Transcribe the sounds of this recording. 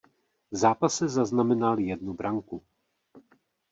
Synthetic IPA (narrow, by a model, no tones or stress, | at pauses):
vzaːpasɛzaznamɛnaljɛdnubɾaŋku